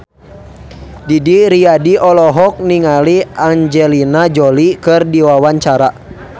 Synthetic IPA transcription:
didiɾiadiɔlɔɦɔk̚niŋaliaŋd͡ʒɛlinad͡ʒɔlikɨrdiwawaɲt͡ʃaɾa

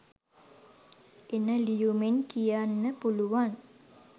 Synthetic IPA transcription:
enəlijumenkijanːəpuluʋan

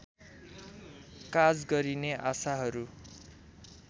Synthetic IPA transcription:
kad͡zɡʌɾineʔasaɦʌɾu

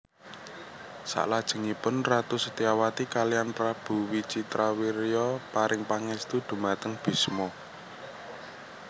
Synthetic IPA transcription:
sa̰ʔlad̥ʒ̥ə̤ŋipʊnrat̪usə̥t̪iawat̪ikalijanpɾab̥ṳwit͡ʃit̪ɾawiɾijɔpaɾɪŋpaŋɛst̪ud̪̥ṳmat̪əŋb̥i̤smɔ

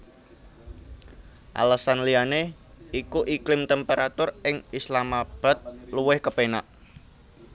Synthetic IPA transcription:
ʔa̰ləsanliane | ikuʔiklɪmt̪ɛmpeɾat̪ʊrɪŋislamab̥a̤t̪̚luwɪhkəpena̰ʔ

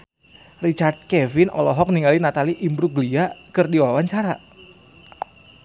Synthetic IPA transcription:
rit͡ʃard̪̚kɛvɪnʔɔ̰lɔɦɔk̚niŋalinat̪aliʔimbɾuɡliakɨrdiwawaɲt͡ʃaɾa

